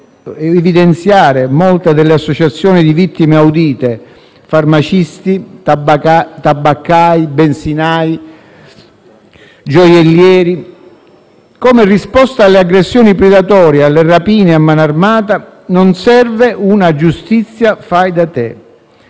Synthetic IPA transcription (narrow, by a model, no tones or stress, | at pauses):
ɛɛvid̪ɛnt̪sjaːɾemɔlt̪ad̪ɪlːeasːɔt͡ʃat̪sːjɔːnid̪ivit̪ːimeawd̪iːt̪e | farmat͡ʃist̪i | t̪abːakːajbɛnsinaːj | d͡ʒɔjɛlːjɛːɾi | kɔmerispɔst̪aːlːeaɡɾesːjɔːnipɾɛd̪at̪ɔːɾjealːerapiːneamːanarmaːt̪a | nɔnsɛrveʔunad͡ʒust̪it̪sːjafajd̪at̪ḛ